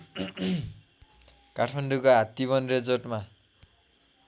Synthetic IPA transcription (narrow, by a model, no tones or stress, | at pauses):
kaʈʰmanɖukoɦat̪ːiβʌnred͡zʌʈma